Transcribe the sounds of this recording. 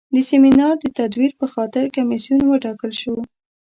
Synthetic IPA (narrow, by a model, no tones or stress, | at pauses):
d̪əseminɑɾd̪ət̪ad̪wiɾpəxɑt̪ɪɾkamisjunwəʈɑkəlʃow